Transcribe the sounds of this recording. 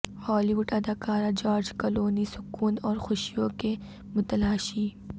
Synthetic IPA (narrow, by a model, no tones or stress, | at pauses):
hɔːliʋʊɖɐd̪aːkaːɾad͡ʒaːɾd͡ʒkɐloːnisʊkuːnɔːɾxʊʃijõke | mʊt̪ɐlaːʃiː